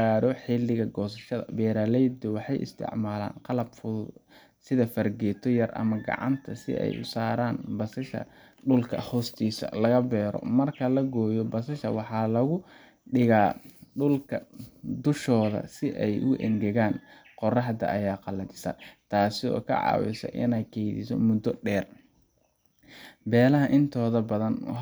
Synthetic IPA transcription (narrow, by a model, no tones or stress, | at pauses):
aːɾɔħɪlɪɣɐɡɔːs̬ɐʃɐðɐ̰bɛːɾaːlɛjd̪ɛwɑħɑjʔɪ̰st̪ʰɪ̰ʕmaːla̰ːnqɑlɐbfʊ | sɪðɐfɐrɡɛːt̪ʰɔjɐrʔɐ̰mɐɡɑ̰ʕɑ̰nt̪ʰɐsɪ̰ɛ̰jʔʊ̰saːɾaːnbɐsɐʃɐ̰ | ɖʊlkʰɐ̰hɔːst̪ʰiːsɐ̰lɐɣɐbɛːɾɔ̰mɐrkʰɐlɐɡɔːjɔbɐsɐʃɐ̰wɑħɑːlɐɣʊ | ɖɪɣaːɖʊlkʰɐd̪ʊʃɔːðɐ̰sɪʔɛjʔʊʔɛ̰ŋɡɛɣaːn | qɔrɑħd̪ɐ̰ʔɐjaːqɑlɐdɪsɐ̰t̪ʰaːsɪɔ̰ːkʰɐ̰ʕɑ̰ːwɪ̰sɐ̰ʔɪ̰nɛjkʰɛjðḭsɔ̰mʊd̪ɔɖɛːr | bɛːlɐɦɐʔɪnt̪ʰɔːðɐbɐðɐn